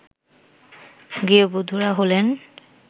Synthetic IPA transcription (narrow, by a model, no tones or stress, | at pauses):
ɡiobod̪ʱuɾaɦolen